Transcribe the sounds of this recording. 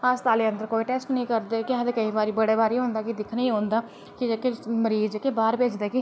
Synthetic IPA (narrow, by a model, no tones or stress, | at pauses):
aːst̪aːleːənd̪əɾkoːiːʈɛːsʈnəĩːkəɾd̪eːkɪɦəd̪eːkəĩːbaːɾiːbəɽeːbaːɾiːɦõːnd̪aːkid̪ɪkʰnaĩːɦõːnd̪aː | kɪkeməɾiːzkebaːɾbeːd͡ʒd̪eːki